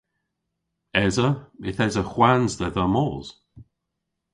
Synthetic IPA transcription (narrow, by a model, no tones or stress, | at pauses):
ɛzəɪθɛzəxwanzðɛðəmɔːz̥